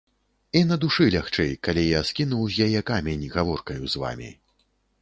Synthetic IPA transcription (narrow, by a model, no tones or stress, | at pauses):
inɐd̪uʂɨlʲaxt͡ʂɛjkalʲijaskʲinuwzʲjajɛkamʲɛnʲiɣavɔrkɐjuzva̰mʲḭ